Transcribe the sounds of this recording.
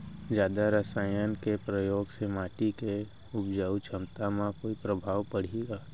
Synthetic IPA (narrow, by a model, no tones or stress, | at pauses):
d͡ʒjaːd̪aɾəsaːjənkepɾəjoːɡsemaːʈike | ʊbd͡ʒaut͡ʃʰəmt̪amãkoːipɾəbʱaːʋpəɽ̤eːɡaː